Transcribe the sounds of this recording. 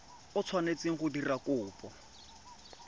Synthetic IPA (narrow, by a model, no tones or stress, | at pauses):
ʊt͡sʰwanet͡siŋ̩χʊdirakʊːpɔ